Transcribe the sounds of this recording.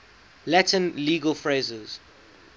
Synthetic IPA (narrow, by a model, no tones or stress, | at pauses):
latə̃nliːɡəlfɹeɪzəz̥